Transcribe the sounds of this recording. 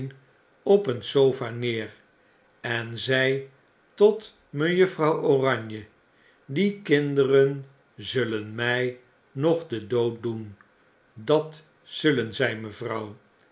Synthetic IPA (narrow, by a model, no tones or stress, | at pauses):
n | ɔpənsowfaːnɪːr | ɛnzɛj | tɔt | məjɵfrɑwoːrɑɲjə | dikɪndərən | zɵlənmɛj | nɔχdədowt̚dun | dɑt | sɵlənzɛjməvrɑw